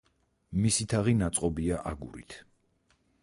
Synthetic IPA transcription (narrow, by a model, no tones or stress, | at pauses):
misit̪ʰaʁinat̪sʼqʼɔbiaʔaɡṵɾḭt̪ʰ